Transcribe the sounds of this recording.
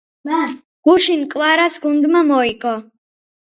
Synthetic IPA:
ɡ̥uʃinkʼwaɾasɡund̪mamɔikʼɔ

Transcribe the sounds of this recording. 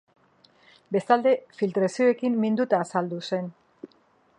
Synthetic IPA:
be̞st̪ald̪e̞filt̪ɾasio̞e̞kimːind̪ut̪aːsald̪use̞n

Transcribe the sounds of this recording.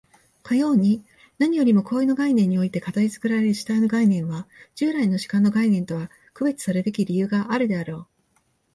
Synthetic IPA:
kajo̞ːɲ̟i | naɲ̟ijo̞ɾʲimo̞koːino̞ɡainẽ̞ɲ̟ːio̞it̪e̞kat̪aɾʲit͡sɨ̥kɯ̟ɾaɾe̞ɾɯ̟ɕi̥t̪ainoɡainẽ̞ɰ̃βad͡ʑ̥ɨːɾaino̞ɕi̥kãnːo̞ɡainẽ̞nt̪o̞βa | kɯ̟be̞t͡sɨ̥saɾɯt̪e̞kʲiɾʲijɯ̟ːɡaʔːɾɯ̟d̪e̞aɾo̞ː

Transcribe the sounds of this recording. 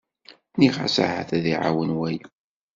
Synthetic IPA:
niʁa̰sa̰ha̰θæðiʕa̰wənwæj

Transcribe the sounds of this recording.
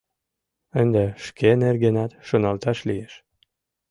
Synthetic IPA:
ənd̪eʃkʰenerɡenɑt̪ʃonɑlt̪ɑʃlijeʃ

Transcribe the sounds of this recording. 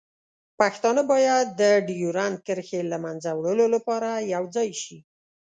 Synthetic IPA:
paxt̪ɑnəbɑjad̪ːəɖijuɾan̚kəɾxelamanzawɽəlolapɑɾajawd͡zɑjʃi

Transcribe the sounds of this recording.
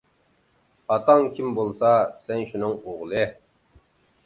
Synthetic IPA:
ɑt̪ɑŋkʲʰimbolˠsɑsɛnʃunɨŋoʁlˠɨ

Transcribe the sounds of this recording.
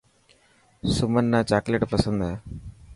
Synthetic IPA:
sʊmənːaːt͡ʃaːkleʈpəsə̃nd̪ɦɛː

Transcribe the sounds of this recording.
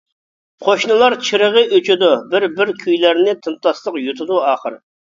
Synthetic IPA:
qʰoʃnɨlˠɑɾt͡ʃʰiɾəʁəʔøt͡ʃʰud̪ubɪɾbɪɾkʲʰyjlæɾnɪt̪ʰɨnt̪ɑslˠəqjut̪ʰɨd̪uɑːχəɾ

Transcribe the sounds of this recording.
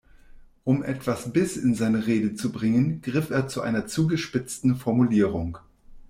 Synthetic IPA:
ʔʊmʔɛtv̥asb̥ɪsɪnzaɪnəʁeːdət͡subʁɪŋənɡ̥ʁɪfeːɐt͡suʔa̰ɪnɐt͡suːɡəʃpɪt͡stn̩fɔɐmuliːʁ̞ʊŋ

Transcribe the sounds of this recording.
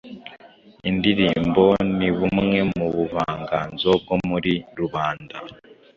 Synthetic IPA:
indiɾiːmbo̞niβumŋe̞mmuβuβaːŋɡa̰nzob̚ɡomuɾiɾuβaːnda

